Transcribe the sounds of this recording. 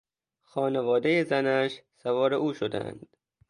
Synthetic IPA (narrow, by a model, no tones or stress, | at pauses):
xɒːnevɒːd̪ejezænæʃsævɒːɾeʔuːʃod̪æ̰nd̪̥